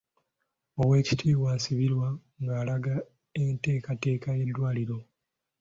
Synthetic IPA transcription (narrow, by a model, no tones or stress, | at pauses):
o̞we̞ːci̥tʰiːβwaːsiβiɾwa | ŋɡaːlaɡa | ente̞ːkate̞ːkaje̞dːwaːliɾo̞